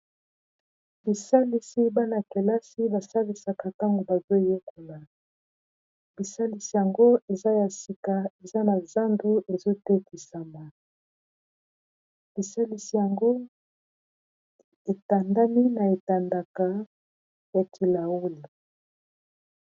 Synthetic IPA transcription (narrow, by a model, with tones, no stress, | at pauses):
b̥i˨sa˦li˨si˦ba˦na˨ke˨la˦si˦ba˨sa˦li˨sa˨ka˨ta˦ŋɡo˨ba˨zo˦˨jo˦ko˨la˨ | b̥i˨sa˦li˨si˨ja˨ŋɡo˦e˨za˦ja˨si˨ka˨e˨za˦na˨za˦ndu˦e˨zo˦tɛ˦ki˨sa˨ma˨ | b̥i˨sa˦li˨si˨ja˨ŋɡo˦ | e˨ta˨nda˦mi˦na˨e˨ta˨nda˨ka˨ | ja˨tʰi˨la˨o˦li˨